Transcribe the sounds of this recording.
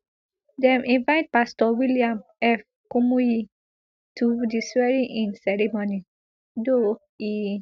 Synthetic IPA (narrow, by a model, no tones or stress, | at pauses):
dɛ̃mʔĩnvaɪt̚pastɔwiliãmɛf | kumuji | tudisɹɛɹiʔĩnsɛɹimoni | do | i